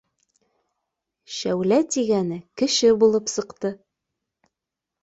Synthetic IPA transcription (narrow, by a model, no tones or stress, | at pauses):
ʃæwlæt̪iɡænɘkɘ̆ʃɘbulˠɤpsɤ̆qt̪ɤ